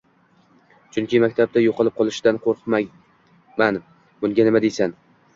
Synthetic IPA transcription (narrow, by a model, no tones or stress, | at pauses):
t͡ʃʰʊŋkʲɪmakʲt̪ʰab̚d̪ʰajoqʰɨlˠɪp̚qʰɒlˠɪʃɪd̪anqʰoɾqʰma | man | bʊŋɡʲanɪmad̪ejsan